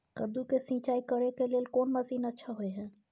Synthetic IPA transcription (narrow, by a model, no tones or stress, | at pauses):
kəd̪ukesĩːt͡ʃaːikəɾekeleːlkoːnməziːnətːʃʰaɦoeɦɛ̃ː